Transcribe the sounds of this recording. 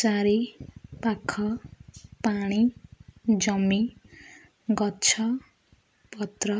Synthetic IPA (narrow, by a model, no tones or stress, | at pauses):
t͡saɾipakʰːʌpaɽ̃i | d͡zʌmi | ɡʌtːt͡sʰʌ | pʌt̪rʌ